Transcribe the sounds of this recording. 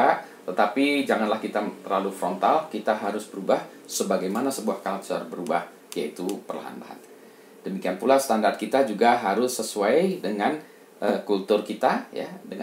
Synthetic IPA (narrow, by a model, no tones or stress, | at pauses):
a | t̪ət̪apid͡ʒaŋanlahkit̪aərlalufɾɔnt̪alkit̪aɦaɾʊsbəɾubah | səbaɡajmanasəbuahkal̚t͡ʃa̰rbəɾubah | jait̪upərla̰ɦa̰nla̰ha̰n | d̥əmikianpulast̪andart̪̚kit̪ad͡ʒuɡaɦaɾʊsːəsuajdəŋan | ʔəkult̪ʊrkit̪aja̰dəŋ